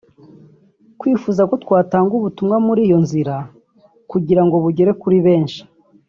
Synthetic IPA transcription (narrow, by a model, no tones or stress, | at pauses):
kwiːfuːzako̞twaːtaːŋɡuβutumŋamuɾiːjo̞nziɾa | kuɟiɾaŋɡoβuɟe̞ɾe̞kuɾiβe̞ːnʃi̥